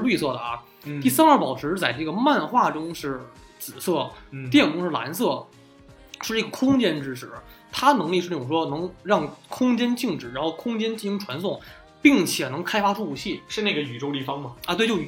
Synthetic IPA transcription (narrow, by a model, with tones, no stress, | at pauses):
ʂɻ̩˥˧ly˥˧sɤ˥˩d̪ə˩ɐ̰˩ | t̪i˥˩sa˥nə˞˥˩pɑ˨˩ʊʈ͡ʂʰɻ̩˧˥t͡sa˥˩ɪʈ͡ʂɤ˥˩ɡə˩ma˥˧nxwa˥˩ʈ͡ʂʊ˥ŋʂɻ̩˥˩ | t͡sɹ̩˨˩sɤ˥˩t̪jɛ˥˧˩nkʰʊ˥ŋʂɻ̩˥˩la̰˧˥ns̬ɤ˥˩ | ʂɻ̩˥˧ʈ͡ʂɤ˥˩ɡə˩kʰʊ˥ŋt͡ɕjɛ˥˧nʈ͡ʂɻ̩˥ʂɻ̩˥˩ | t̪ʰa˥˧nɤ˧˥ŋli˥˧ʂ̩ɻ̩˥˩˥ʈ͡ʂʊ˨˩ʂwɔ˥nɤ˧˥ŋɻɑ˥˩ŋkʰʊ˥ŋt͡ɕjɛ˥nt͡ɕi˥˩ŋʈ͡ʂɻ̩˨˩ɻa˧˥nxo˥˩ʊkʰʊ˥ŋt͡ɕjɛ˥nt͡ɕi˥˧˩ɕi˥ŋʈ͡ʂʰwa˧˥nsʊ˥˩ŋ | pi˥˩ŋt͡ɕʰjɛ˨˩nɤ˧˥ŋkʰa˥ɪfa˥ʈ͡ʂʰu˥˩pu˧˥t͡ɕʰi˥˩ʂɻ̩˥˧ne˥˩ɡə˩y˨˩ʈ͡ʂo˥ʊli˥˩fɑ˥ŋmɐ˨˧t̪wɪjo˥˩ʊ˩